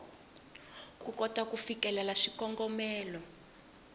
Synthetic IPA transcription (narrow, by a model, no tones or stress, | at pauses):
kukɔtakufikɛlalaʂikɔŋɡɔmɛːlɔ